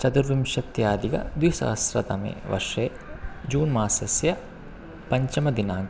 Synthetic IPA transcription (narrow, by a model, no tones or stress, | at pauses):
t͡ʃɐd̪uɾʋimʃɐt̪jaːd̪iɡɐ̰d̪wisɐ̰ɦɐsɾɐ̰t̪ɐ̰mḛːʋɐ̰ʂeː | d͡ʒuːnmaːsɐsjɐ | pɐɲt͡ʃɐmɐd̪inaːɡ